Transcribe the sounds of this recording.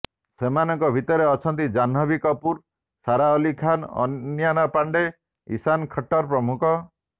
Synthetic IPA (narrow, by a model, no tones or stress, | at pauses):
semanɔŋkɔbʱit̪ɔɾeɔt͡ʃʰɔnt̪id͡ʒanɔbikɔpuɾ | saɾaɔlikʰanɔ̰janapaɳɖe | ḭsankʰɔʈːɔɾpɾɔmukʰɔ